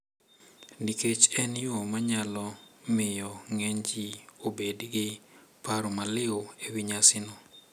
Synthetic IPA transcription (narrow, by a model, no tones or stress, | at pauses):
niket͡ʃɛnjomaɲalɔmɪjɔŋɛɲd͡ʒiobedɡɪpaɾomalɪoewiɲasɪnɔ